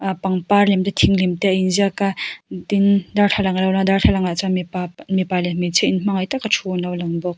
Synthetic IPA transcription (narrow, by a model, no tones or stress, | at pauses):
paŋpaɾlɛmtetʰiŋlimtejinziakadindaɾɬʰalaŋlawlaŋdarɬʰalaŋat͡samamipalemit͡sʰeinm̥aŋajtakat͡ʃʰunawlaŋbɔk̚